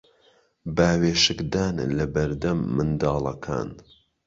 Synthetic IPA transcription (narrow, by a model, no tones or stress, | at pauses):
baːweːʃɨkd̪aːnlɐbɐɾd̪ɐmːɨnd̪ɑːlˠɐkʰa̰ːn